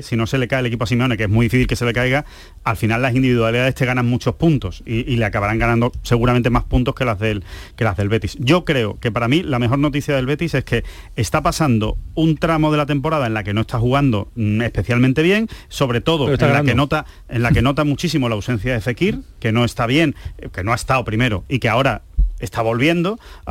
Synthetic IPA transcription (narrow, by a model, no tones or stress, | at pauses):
sino̞se̞le̞kaelekipoas̬imeo̞ne̞kee̞ɦmuiðifiθilke̞se̞le̞kajɣa | alfinalːasind̪iβiðwaliðaðe̞ht̪e̞ɣanaŋmut͡ʃo̞hpunt̪o̞siːleakaβaɾaŋɡanãnd̪ose̞ɣuɾament̪e̞maspunt̪o̞ske̞lazðe̞lke̞lazðe̞lβe̞t̪isɟ͡ʝo̞kɾe̞oke̞paɾamĩlameɦo̞ɾno̞t̪̬iθjaðe̞lβe̞t̪ise̞ske̞ː | st̪apasand̪o̞̰unt̪ɾamo̞ð̞e̞lat̪e̞mpo̞ɾaðae̞nlake̞no̞est̪axuɣ̞and̪o̞e̞hpe̞θjalmẽnt̪e̞βje̞ŋso̞βɾe̞t̪o̞ð̞õlakenot̪a | e̞nlakeno̞t̪amut͡ʃisimolawse̞n̟θjaðe̞fe̞kiɾke̞no̞e̞st̪aβje̞ŋke̞no̞aest̪aopɾime̞ɾoikeao̞ɾae̞st̪aβo̞lβje̞nd̪o̞